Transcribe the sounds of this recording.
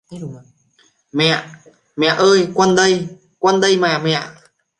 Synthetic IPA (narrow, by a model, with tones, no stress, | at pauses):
mɛ̰˧˨ | mɛ̰˧˨ʔəː˧jkwə˧nɗə˧j | kwə˧nɗə˧jmaː˨˩mɛ̰˧˨